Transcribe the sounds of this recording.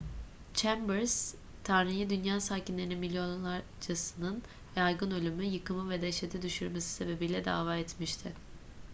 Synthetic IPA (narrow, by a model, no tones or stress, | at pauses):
t͡ʃʰæmbɛɾz̥ | t̪ʰaɾnijid̪ynjaːsaːcinlʲe̞ɾininmilʲːjo̞nlˠaɾ | d͡ʒasɯnɯn | jajɡɯnø̞lʲymyjɯkɯmɯvɛd̪ɛʃet̪ʰid̪yʃyɾmesi̥se̞be̞bijlʲɛd̪a̰ːvaːɛt̪miʃt̪ʰɪ